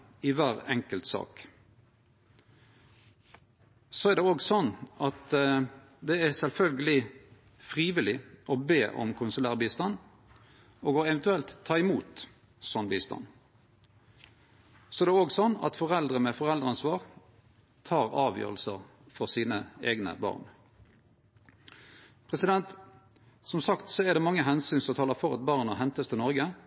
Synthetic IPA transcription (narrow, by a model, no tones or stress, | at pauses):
ɪʋæːʁɛŋkəlt̪sɑ̰ːk | soæʁd̪ɛoːɡsɔnːɑt̪ | d̪ɛæsɛlfœlɡəlɪ | fʁiːʋɪlɪʔɔbeːʔɔ̰mkʰʊnsʉlæːʁbiːst̪ɑn | oːɡoːɛʋɛnt̪ʉɛlt̪ʰːɑːɪmuːt̪ | sɔnbiːst̪ɑ̰n | sɔɛd̪ɛoːɡsɔnːɑ̰t̪fɔʁɛld̪ʁəmɛfɔʁɛld̪ʁɑnsʋɑːʁ | t̪ʰɑːʁɑːʋjø̰ːʁəlsəʁ | fɔʁsiːnəḛːɡnə̰bɑ̰ːʁn | pʰʁɛsɪd̪ɛnt̪ | sɔmsɑkt̪sɔɛʁd̪ɛmɑŋːəɦɛnsyːnsɔt̪ʰɑːləfɔʁɑt̪̚bɑʁnəhɦɛnt̪əst̪ʰɪnɔʁɡə